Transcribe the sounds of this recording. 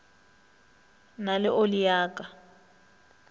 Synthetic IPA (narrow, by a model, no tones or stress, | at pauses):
nalɪʔolijaːkʼa